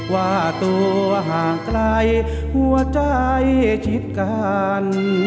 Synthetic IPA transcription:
kwaː˧˩t̪oː˧ɦaː˩˦klaː˧j | hu˧ət͡ɕa˧jt͡ɕʰi˦˥t̪̚ka˧n

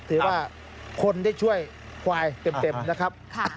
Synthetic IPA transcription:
t̪ʰɯː˩˦waː˥˩ | kʰo˧ndaː˥˩jt͡ɕʰu˥˩əj | kʰwaː˧jt̪e˧˩me˧mna˦˥kʰa˦˥p̚kʰ

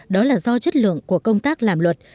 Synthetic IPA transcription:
ɗɔ˨˦laː˨˩zɔ˧t͡ɕə˦˥t̚lɨ̰˧˨əŋku˧˩əkə˧wŋ͡mt̪aː˦˥k̚laː˨˩mlwə˨˩t̚

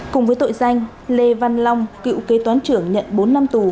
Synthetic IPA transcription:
kʊ˨˩ŋ͡mvəː˨˦jt̪o̰˧˨jza˧jŋ̟ | le˧va˧nla˧wŋ͡mkḭ˧˥wke˨˦t̪waː˨˦nt͡ɕɨ˧˩əŋɲə̰˧˨nɓo˨˦nːa˧mt̪u˨˩

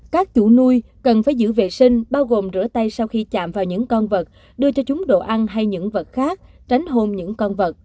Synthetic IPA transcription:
kaː˦˥k̚t͡ɕ̪u˧˩nu˧jkə˨˩nfaː˧˩˦jzɨ̰˧˥vḛ˨˩sï˧ŋ̟ɓaː˧wɣo˨˩mzɨ̰˧˥ət̪a˧jsa˧wxi˧t͡ɕa̰ː˧˨mvaː˨˩wɲɨ̰˧˥ŋkɔ˧nvə˨˩t̚ | ɗɨ˧ət͡ɕɔ˧t͡ɕʊ˨˦ŋ͡mɗo̰˧˨ʔa˧nɦa˧jɲɨ̰˧˥ŋvə˨˩t̚xaː˦˥k̚t͡ɕa˨˦jŋ̟ɦo˧mɲɨ̰˧˥ŋkɔ˧nvə˨˩t̚

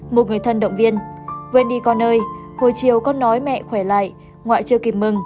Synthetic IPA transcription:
mo˨˩t̚ŋɨ˨˩əjt̪ʰə˧nɗə̰˧˨wŋ͡mvi˧ənvə̰˧˦nɗi˧kɔ˧˩nːəː˧jho˧˨˩jt͡ɕi˨əwkɔ˧nːɔ˨˦jmɛ̰˧˨xwɛ˧˩la̰ː˧˨j | ŋwa̰ː˧˨jt͡ɕɨ˧əki˨˧˩p̚mɨ˨˩ŋ

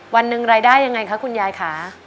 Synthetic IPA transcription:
wa˧nːɯ˧ŋɾaː˧jdaː˥˩jːa˧ŋːa˧jkʰa˦˥kʰu˧njaː˧jkʰaː˩˦

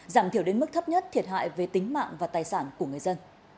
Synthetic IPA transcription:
zaː˧˩mt̪i˧˩əwɗe˨˦nmɨ˦˥k̚t̪ʰə˦˥p̚ɲə˦˥t̚t̪ʰi˨˩ət̚ɦa̰ː˧˨jve˨˩t̪ï˨˦ŋ̟ma̰ː˧˨ŋvaː˨˩t̪aː˨˩jsaː˧˩nku˧˩əŋɨ˨˩əjzə˧n

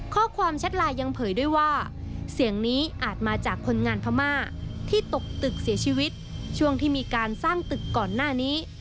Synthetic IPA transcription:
kʰɔː˥˩kʰwaː˧mt͡ɕʰa˦˥t̪̚laː˧jːa˧ŋpʰɤː˩˦jdu˥˩əjwaː˥˩ | si˩˦əŋniː˦˥ʔaː˨˩t̪̚maː˧t͡ɕaː˨˩kʰːo˧nŋaː˧npʰa˧maː˥˩t̪ʰiː˥˩t̪o˨˩k̚t̪ɯ˨˩k̚si˩˦ət͡ɕʰiː˧wi˦˥t̪̚t͡ɕʰu˥˩əŋt̪ʰiː˥˩miː˧kaː˧nsaː˥˩ŋt̪ɯ˨˩kːɔː˨˩nːaː˥˩niː˦˥

